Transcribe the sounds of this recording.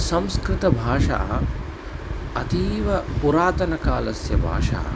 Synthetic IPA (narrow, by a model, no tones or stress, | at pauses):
sɐ̃mskɾɪt̪ɐbʱaːʂa̰ːɐ̰ | ɐt̪iːʋɐpuɾaːt̪ɐnɐkaːlɐsjɐbʱa̰ːʂa̰ɐ̰